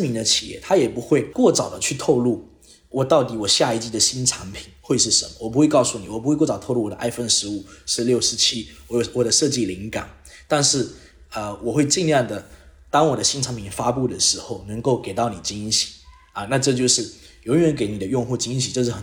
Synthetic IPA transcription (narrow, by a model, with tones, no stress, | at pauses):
mi˧˥nd̪ə˧t͡ɕʰi̥˨˩jɛ̰˥˩t̪ʰa˥jɛ˨˩pu˧˥xwe˥˧ɪkwɔ˥˩t͡sɑ˨˩ʊd̪ə˦t͡ɕʰy˥˧t̪ʰo˥˧ʊlu˥˩ | wɔ˨˩t̪ɑ˥˩ʊt̪i˨˥wɔ˨˩ɕja˥˧i˥˩t͡ɕi˥˩d̪ə˨˩ɕi˥nʈ͡ʂʰa˧˥ŋpʰi˨˩˦nxwe˥˧ɪʂɻ̩˥˩ʂə˧˥nmə̰˧˨wɔ˨˩p̬xwe˥˧ɪkɑ˥˧ʊsu˥˩ni˨˩wɔ˨˩p̬u˥we˥˧kwɔ˥˩ɑ˨˩t̪ʰo˥˧ʊlu˥˩wɔ˨˩ə˦ʔa̰˥˧ɪfə˥˧nʂɻ̩˧˥u˨˩ʂɻ̩˥˧ljo˥˩ʊʂɻ̩˧˥t͡ɕʰi˥wwɔ˨˩d̪ə˦ʂɤ˥˧t͡ɕi˥˩li˧˥ŋka˨˩˦n | t̪a˥˧nʂɻ̩˥˩ | ə˧wɔ˨˩xwe˥˧ɪt͡ɕi˥˧nljɑ˥˩ŋd̪ə˩t̪ɑ˥ŋwɔ˨˩d̪ə˦ɕi˥nʈ͡ʂʰa˧˥npʰi˨˩nfa˥pu˥˩d̪ə˩ʂɻ̩˧˥xo˥˩ʊnə˧˥ŋko˥˩ʊke˨˩ɪt̪ɑ˥˩ʊni˨˩t͡ɕi˥nɕi̥˨˩˦ | ɐ˨˩na˥˧ʈ͡ʂɤ˥˧t͡ɕjo˥˧ʊʂɻ̩˥˩ | jo˧˥ʊ˥˩ɥɛ˧˥nk̬e˧˥ɪni˨˩d̪ə˦jʊ˥˧ŋxu˥˩t͡ɕi˥nɕ̬i˨˩ʈ͡ʂɤ˥˧ʂ̬̩˥˩xə˨˩